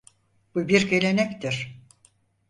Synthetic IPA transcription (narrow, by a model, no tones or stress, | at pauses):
b̥ubiɾkelʲenɛct̪ʰiɾ̥